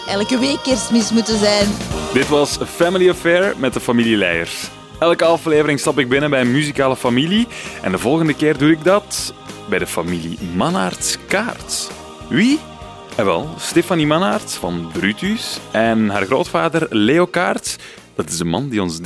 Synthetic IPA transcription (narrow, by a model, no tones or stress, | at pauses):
ɛlkəʋeːkɪrsmɪsmutəzɛjnd̥ɪtʋɑsəfæmɪliɔfɛːɹmɛt̚dəfɑmililɛ̰jə̰rs | ɛlˠkəɑfleːvəɾɪŋstɑpɪɡ̚bɪnənbɛjənmyzikaːləfɑmiliʔɛ̰ndəvɔlˠɣəndəkeːrdudɪɡ̚dɑt | bɛjdəfɑmilḭmɑnartskaːrt | wi | ɛʋɛ̰lˠsteːfɑnimɑnartfɑ̰nbɾytysɛnɦaːrɣroːtfaːdərleːokaːrt | d̥ɑtɪzənmɑ̰ndiɔnz